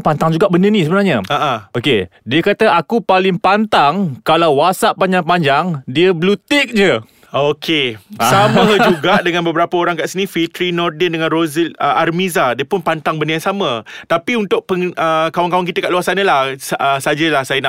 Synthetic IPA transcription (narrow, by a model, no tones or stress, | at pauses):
pant̪aŋd͡ʒuɡaʔbəndənĩsəbənarɲəaʔãokediəkat̪aakupalɪŋpant̪aŋkalawːasaʔpaɲd͡ʒaŋpaɲd͡ʒaŋdiəblut̪ik̚d͡ʒə | okʰesamə̃d͡ʒuɡaʔdəŋãnbəbəɾapəoɾaŋkaʔsinĩfit̪ɾinɔrdɛndəŋãnroziləarmizadiəpʊnpant̪aŋbəndəjansamə̃t̪apiunt̪ʊʔ̚pəŋəkawaŋkawaŋk̬it̪əkaʔluasanə̃laəsad͡ʒəlahsajəna